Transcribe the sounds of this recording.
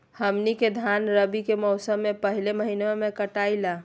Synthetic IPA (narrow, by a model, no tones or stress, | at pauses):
həmniked̪ʱanɾəbikemɔʊsəmːẽpəɦileməɦineemẽkəʈaila